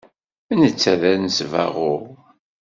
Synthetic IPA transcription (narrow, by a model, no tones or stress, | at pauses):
ənət͡sːæðænəsvæ̰ʁʊʁ